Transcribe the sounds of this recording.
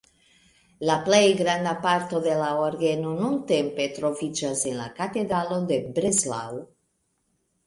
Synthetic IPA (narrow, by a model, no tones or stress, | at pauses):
laplejɡɾand̪apaɾt̪oðelaoɾɡenonunt̪empet̪ɾovid͡ʒazenlakat̪ed̪ɾalod̪ebɾezla̰w